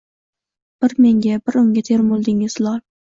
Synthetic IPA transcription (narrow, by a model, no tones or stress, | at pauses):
b̥ɪɾmeŋɡʲɛbɪɾʊŋɡʲɛt̪ʰeɾmolˠd̪ɪŋɪz̥lˠɑɾ